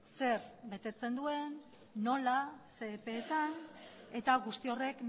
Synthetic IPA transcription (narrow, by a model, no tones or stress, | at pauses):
se̞ɾbe̞t̪e̞t͡se̞nd̪ue̞nː | o̞lase̞ːpe̞ːt̪ane̞t̪aɣust̪io̞re̞kn